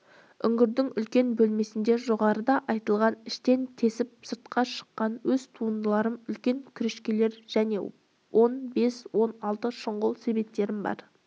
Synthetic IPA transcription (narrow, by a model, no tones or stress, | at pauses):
ʏŋɡʲɪɾd̪ɪŋʏlkʲe̞nbɵlme̞sɪnd̪e̞ʒo̞ʁɑɾəd̪ɑʔɑjt̪əlˠʁɑnɪʃt̪e̞nt̪ʰe̞sɪp̚səɾt̪qɑʃə̥qːɑnwɵzt̪ʰuənd̪əlˠɑɾəmʏlkʲe̞ŋkʲʰʏɾeʃkʲele̞ɾʒ̥æne̞̰ | wʔo̞nbe̞swo̞nɑlˠt̪əʃəɴʁʊlˠse̞be̞p̚t̪ːe̞ɾɪmbɑ̰ɾ